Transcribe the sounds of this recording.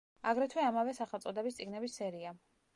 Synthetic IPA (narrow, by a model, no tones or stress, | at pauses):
aɡɾɛt̪ʰwɛamavɛsaχɛlˠt̪sʼɔd̪ɛbist̪sʼiɡnɛbisːɛɾia